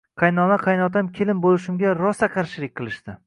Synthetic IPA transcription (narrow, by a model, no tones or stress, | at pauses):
qʰɑjnɒnaqʰɑjnɒt̪ʰamkʲʰelɪmbolɪʃɪmɡʲaɾɒsaqʰɑɾʃɪɾɪk̚ʲqʰɨlˠɪʃt̪ɪ